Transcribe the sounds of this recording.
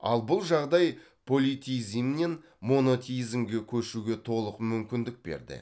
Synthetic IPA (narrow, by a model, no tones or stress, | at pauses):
ɑ̰lˠbʊlˠʒɑʁd̪ɑj | pʰo̞lʲit̪ʲizimnen | mo̞no̞t̪ʲizmɡʲe̞kʲʰɵʃuɡʲe̞t̪ʰo̞lˠəqmʏmkʲɪnd̪ɪk̚be̞̰ɾd̪ɪ̰